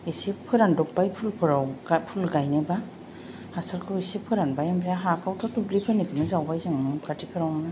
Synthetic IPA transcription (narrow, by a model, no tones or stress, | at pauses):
isepʰːɯɾandɔk̚bajpʰulpʰɯɾawpʰulɡajneba | hasaɾkʰɯwisepʰːɯɾanbajambʰɾaɦakʰawtʰɔtublipʰɯnikʰɯmɯzawbajzaŋmɯkʰatʰipʰɯɾawmna